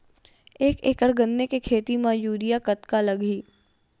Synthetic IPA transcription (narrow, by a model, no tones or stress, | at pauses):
eːkeːkəɽɡə̃nːekekʰeːt̪imãːjuːɾijakət̪kalɐɡʱiː